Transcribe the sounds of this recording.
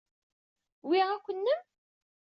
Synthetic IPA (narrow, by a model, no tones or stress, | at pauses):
wiʁækʷːənːəm